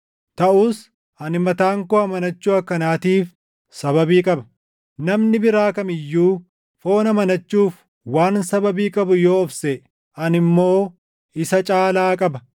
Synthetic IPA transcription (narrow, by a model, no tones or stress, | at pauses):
t̪ɐʔuːs | ʔɐnɪmɐt̪aːŋkoːɐmɐnɐt͡ʃːuːɐkːɐnaːt̪iːf | sɐbɐbiːkʼɐbɐ̥ | nɐmnɪbɪɾaːkɐmɪjːuː | fo̞ːnɐmɐnɐt͡ʃːuːf | waːnsɐbɐbiːkʼɐbʊjo̞ːɔfsɛ | ʔɐnɪmːo̞ː | ɪsɐt͡ʃʼaːlaːkʼɐbɐ